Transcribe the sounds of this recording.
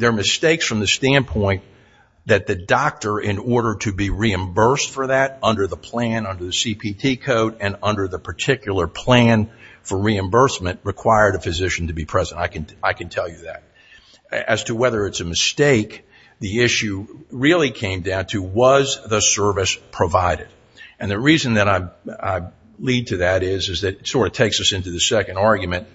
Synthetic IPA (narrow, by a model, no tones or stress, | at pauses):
ðə˞mɨsteɪksfɹʌ̃mðɨstæ̃npʰɔ̃ɪ̃n | ðɨt̪̚ðɨdɑk̚tə˞ʔɪ̃nɔɹɾə˞ɾɨbiɹiɨ̃mbɜ˞stfə˞ðɨɾʌ̃ndə˞ðəpʰl̥æ̃nʌ̃ndə˞ðɨsipʰitʰikʰoʊɾɨ̃nʌ̃ndə˞ðəpʰə˞tʰɪkjl̩ˠə˞pʰl̥æ̃nfə˞ɹiɨ̃mbɜ˞smɨ̃nʔ̚ɹɨkʰw̥aɪə˞ɾɨfɨzɪʃn̩tɨbipʰɹ̥ɛzɨ̃ntaɪkɨ̃naɪkɨ̃ntʰɛlˠjɨðɨ̰ɾ̚ | ɨz̥tʰəwɛðə˞ɨtsɨmɨsteɪk | ðiɪʃʉɹɪlˠikʰẽɪ̃mdãʊ̃ntʰɨwʌzðəsɜ˞vɨspʰɹ̥əvaɪɾɨd | ɨ̃nðɨɹizɨ̃nðɨɾaɪa̰ɪ | lid̚tʰɨðɨɾɪzɨzðɨɾɨtsɔɹɾʌv̥tʰeɪksʌsɪ̃ntʉðɨsɛkɨ̃ndɑɹɡjɨmɨ̃nt̚